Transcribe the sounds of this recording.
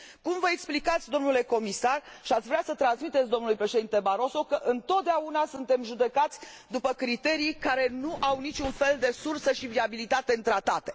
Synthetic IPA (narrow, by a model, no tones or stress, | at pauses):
kumvəeksplikat̪sʲd̪o̞mnule̞ko̞misarʃiat̪sʲvɾeasət̪ɾansmit̪e̞t̪sʲd̪o̞mnulujpɾe̞ʃe̞d̪int̪e̞baɾo̞so̞kəʔɨnt̪o̞t̪̚d̪eaunasɨnt̪e̞mʒud̪e̞kat̪sʲ | d̪upəkɾit̪e̞ɾijkaɾe̞nuʔawnit͡ʃʲunfe̞ld̪e̞sursəʃiviabilit̪at̪e̞ɨnt̪ɾat̪at̪e̞̥